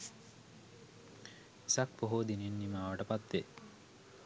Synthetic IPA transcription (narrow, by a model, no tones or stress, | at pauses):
sak̚poɦod̪inenːimaːʋəʈəpat̪ʋe